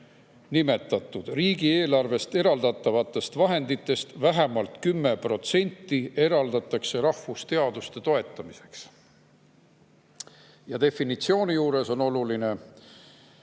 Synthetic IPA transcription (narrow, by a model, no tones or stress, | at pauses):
nime̞t̪ːˑɑt̪ːˑud̪̥riːɡie̞ːlɑrve̞st̪e̞ɾɑld̪̥ɑt̪ːˑɑvɑt̪ːˑe̞st̪vɑɦe̞nd̪it̪ːˑe̞st̪væɦemɑlt̪kymːe̞pro̞t̪se̞nʲt̪ːˑie̞ɾɑld̪ɑt̪ːˑɑkse̞ɾɑhfust̪e̞ɑd̪ust̪e̞t̪o̞e̞t̪ːˑɑmise̞ks | jɑt̪e̞fːinit̪sio̞ːnijuːɾe̞so̞no̞luline̞